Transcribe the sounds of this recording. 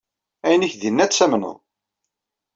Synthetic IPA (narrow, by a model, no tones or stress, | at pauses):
æjnəçðinːæt͡sːæmnə̰ðˤ